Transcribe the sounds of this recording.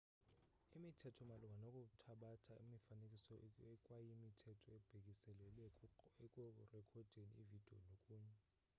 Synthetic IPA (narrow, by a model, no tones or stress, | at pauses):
imitʰɛtʰɔmaluŋanokʼutʰaɓatʰaimifanekʼisɔɛkʼwajimitʰɛtʰɔɛb̥ʱek̬ʼisɛlɛlɛekʼɔrɛkʰɔd̥ʱeniḭvid̥ʱio̰lokʼuːɲɛ